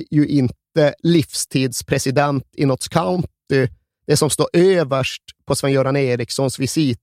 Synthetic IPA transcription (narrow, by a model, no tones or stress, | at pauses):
jɵʔɪnt̪əlɪfst̪ʰiːd̪spʰɾɛsɪd̪ɛnt̪ɪnɔt̪skʰaʊnt̪ɪ | d̪̥ɛsɔmst̪oːɾʔøːvəʂʈpʰɔsvɛnjuːɾaneːɾɪksɔnsvɪsiːt̪